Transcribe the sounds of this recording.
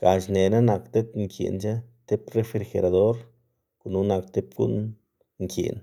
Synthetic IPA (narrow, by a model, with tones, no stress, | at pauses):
ɡ̥a˨t͡ʃne˨na˦na˨kt̪e˦t̪ŋkʰjḛ˨nt͡ʃa˦t̪e˦pre˧fɾi˧ɾxḛ˨ɾa˨d̪o˦ɾ | ku˨nu˦na˧kt̪e˦pɡṵ˦n | ŋkḛ˨n